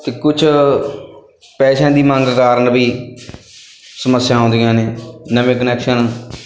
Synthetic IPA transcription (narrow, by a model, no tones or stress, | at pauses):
t̪eːkʊt͡ʃʰ | pɛːʃãːd̪iːmãːŋɡkaːɾənbiː | səməsjãːɦʊ̃ːnd̪ijãːneːnəʋẽːkənɛːkʃən